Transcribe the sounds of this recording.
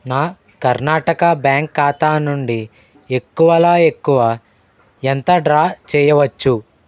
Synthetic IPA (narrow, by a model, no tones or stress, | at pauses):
naː | kɐɾnaːʈɐkɐbjaːŋkːaːt̪aːnuɳɖi | e̞kːuʋɐlaːe̞kːuʋɐ | ent̪ɐɖɾaːt͡ʃɛːjɐʋɐt͡ʃːu